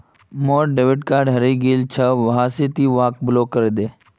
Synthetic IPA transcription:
moːɾɖeʋɪʈkaːɾɖɦɐɾiːɡiːlt͡ʃʰəʋɐɦaːset̪iːʋaːk̚bɪloːkəɾed̪eː

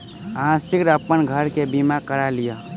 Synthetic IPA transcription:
əɦãsikɾəpənɡʱəɾkebimakəɾalijə

